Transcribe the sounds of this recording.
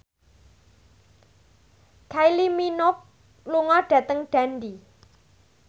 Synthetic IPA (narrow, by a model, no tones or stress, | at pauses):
kʰajliminʊk̚ | luŋɔɖ̥ä̤t̪əŋɖ̥a̤nɖi